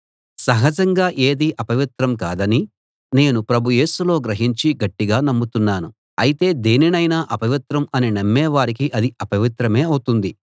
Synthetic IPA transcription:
sɐɦɐd͡ʒɐŋɡaːʔeːd̪iʔɐpɐʋit̪ɾɐmka̰ːd̪ɐni | ne̞ːnupɾɐbʱuje̞ːsulo̞ːɡɾɐɦiɲt͡ʃiɡɐʈːiɡaːnɐmːut̪unːaːnu | ɐjit̪e̞ːd̪eːninɐjnaːʔɐpɐʋit̪ɾɐmɐninɐmːɛːʋaːɾik̬iʔɐd̪iʔɐpɐʋit̪ɾɐme̞ːɐwut̪und̪i

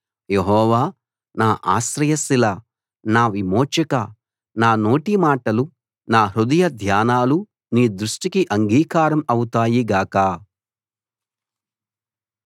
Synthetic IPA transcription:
jeɦɔːʋaː | naːʔa̰ːsɾɐjɐsila | naːʋimoːt͡ʃɐkɐ | naːno̞ːʈimaːʈɐlu | naːɾud̪ɐjɐd̪ʱjaːnaːlu | niːd̪ɾuʂʈikiʔɐŋɡiːkaːɾɐmɐwut̪aːjiɡaːkaː

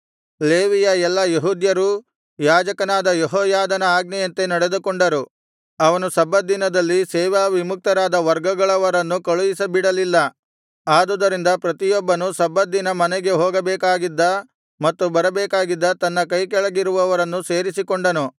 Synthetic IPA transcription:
leːʋijɐɛlːɐjeɦuːd̪jɐɾu | jaːd͡ʒɐkɐnaːd̪ɐjeɦɔːjaːd̪ɐnɐaːɡnɛjɐnt̪e̞nɐɽe̞d̪ukoɳɖɐɾu | ɐʋɐnusɐbɐd̪ːinɐd̪ɐlːisɛːʋaːʋimuk̚t̪ɐɾaːd̪ɐʋɐɾɡɐɡɐɭɐʋɐɾɐnːukɐɭujisɐbiɽɐlilːɐ | aːd̪ud̪ɐɾind̪ɐpɾɐt̪ijɔbːɐnusɐbːɐd̪ːinɐmɐnɛɡe̞ɦoːɡɐbɛːkaːɡid̪ːɐ | mɐt̪ːubɐɾɐbɛːkaːɡid̪ːɐt̪ɐnːɐkɐjk̬ɛɭɐɡiɾuʋɐʋɐɾɐnːuseːɾisikoɳɖɐnu

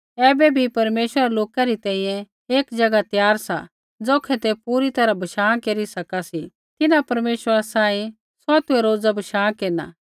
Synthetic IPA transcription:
ɛːbebʱipɐɾmeːʃwəɾaloːkaɾit̪ɛ̃ːĩjɛ̃ | eːkd͡ʒɐɡat̪jaːɾsa̰ | d͡zoːkʰɛt̪epuːɾit̪ɐɾabʱɐʃãːkeɾisɐkasi | t̪ɪnãpɐɾmeːʃwəɾasãːĩ | sɔt̪ʊeɾoːd͡zabʱɐʃãːkeːna

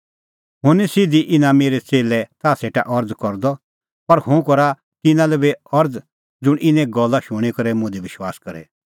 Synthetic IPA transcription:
ɦʊnisɪd̪iʔɪnãmeːɾɛt͡seːlɛt̪aːseːʈa̰ʔɔɾd͡zkɔɾd̪ɔ | pɐɾhʊ̃kɔɾa | t̪ɪnãlɛbeɔɾd͡z | d͡zʊɽ̃ʔɪnɛ̃ɡɔlːaʃʊɽ̃ikɐɾɛmʊ̃d̪iʋɪʃwaːskɐɾɛ̰

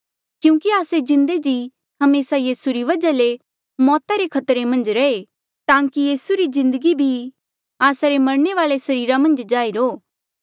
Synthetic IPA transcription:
kjũːkiaːsed͡ʒɪ̃nd̪ed͡ʒi | hɐmeːsajiːsuɾiʋɐd͡ʒale | mɔːt̪aɾekʰɐt̪ɾemɐ̃nd͡ʒɾɐe | t̪ãːkijiːsuɾizɪ̃nd̪əɡibʱi | aːsaɾemɐɾɳeʋaːlesɐɾiːɾamɐ̃nd͡ʒd͡ʒaːiɾoː

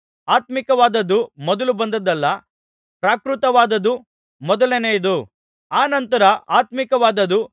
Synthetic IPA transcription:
aːt̪mikɐʋaːd̪ɐd̪ːumɔd̪ɐlubɐnd̪ɐd̪ɐlːɐ | pɾaːkɾut̪ɐʋaːd̪ɐd̪u | mɔd̪ɐlenejd̪u | aːnɐnt̪ɐɾɐʔaːt̪mikɐʋaːd̪ɐd̪u

